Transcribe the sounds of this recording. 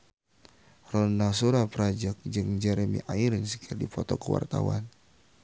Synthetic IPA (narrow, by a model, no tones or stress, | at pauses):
rɔnasuɾapəɾad͡ʒak̚d͡ʒɨŋd͡ʒɛɾəmḭʔaiɾɪnsəkʰirdipɔt̪ɔkəwa̰rt̪a̰wa̰n